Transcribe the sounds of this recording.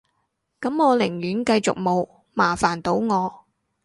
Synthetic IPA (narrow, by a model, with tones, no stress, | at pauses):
kɐ˨˥mŋɔː˨˧lɪ˨˩ŋjyː˨˥nkɐ˧jt͡sʊ̰˨k̚mo˨˧w | maː˨˩faː˨˩nt̪o˨˥wŋɔː˨˧